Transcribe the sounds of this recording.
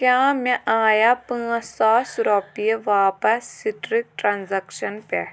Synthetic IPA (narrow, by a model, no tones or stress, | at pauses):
kʲjaːmẽʔaːjapɨ̃ːɐ̃saːsɾɔpijeʋaːpɐsːiʈɾik̚ʈɾanzɐkʃɐnpɛ